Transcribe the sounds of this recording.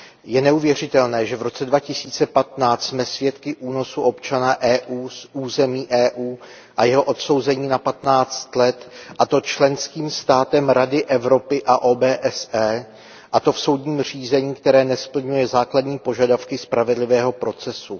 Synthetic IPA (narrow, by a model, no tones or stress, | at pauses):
jɛnɛuvjɛr̝ɪt̪ɛlnɛːʒɛvɾo̞t͡sɛdvacɪsiːt͡sɛpat̪naːt͡st̪smɛsvjɛt̪kɪʔuːno̞suʔo̞pt͡ʃanaʔɛːʔuːsʔuːzɛmiːʔɛːʔuː | ʔajɛɦo̞ʔo̞t̪so̞wzɛɲiːnapat̪naːt͡st̪lɛt̪ʔat̪o̞t͡ʃlɛnskiːmst̪aːt̪ɛmɾadɪʔɛvɾo̞pɪʔaʔoːbɛːʔɛsɛː | ʔat̪o̞fso̞wdɲiːmriːzɛɲiːk̚t̪ɛɾɛːnɛspl̩ɲujɛzaːkladɲiːpo̞ʒadafkɪspɾʔavɛdlɪvɛːɦo̞pɾo̞t͡sɛsu